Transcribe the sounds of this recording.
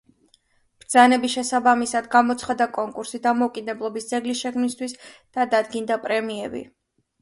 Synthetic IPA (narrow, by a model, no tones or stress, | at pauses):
b̥ɾd̪zanɛbiʃɛsabamisad̪ɡamɔt̪sʰχad̪akʼɔŋkʼuɾsid̪amɔukʼid̪ɛblˠɔbisd̪zɛɡlisʃɛkʰmnist̪ʰwisd̪̥ad̪ad̪ɡind̪apʼɾɛmiɛbḭ